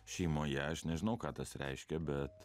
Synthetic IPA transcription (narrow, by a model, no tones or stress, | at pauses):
ʃʲiːmoːjɛɐʃnʲɛʒʲɪnɐʊkɑːt̪ɐsɾʲʔɛ̰ɪʃʲkʲɛbʲɛt̪